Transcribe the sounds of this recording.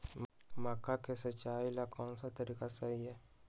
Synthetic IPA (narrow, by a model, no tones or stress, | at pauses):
mmakakɛsɛt͡ʃailakʰɔnsat̪aɾikasaija